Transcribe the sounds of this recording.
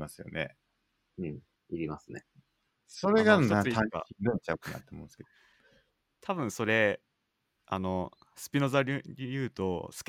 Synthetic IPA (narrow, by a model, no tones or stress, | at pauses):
masɨjo̞̰nḛ | ɯ̟̃ɴ | iɾʲimasɨnḛ | so̞ɾe̞ɡaoat̪ʰãa̰ĩd̪õɲt͡ɕaɯ̟kɯ̟na̰t̪ːemõsɨ̥ke̥ | t̪ʰaβɯ̟̃ɰ̃so̞ɾe̞ | a̰no̞ | sɨ̥pʲino̞zaɾʲijɯ̟ːt̪o̞sɨ̥kʲ